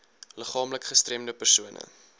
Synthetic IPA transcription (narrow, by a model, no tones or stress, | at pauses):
ləχɑːmləkχəstrɛmdəpərsuənə̰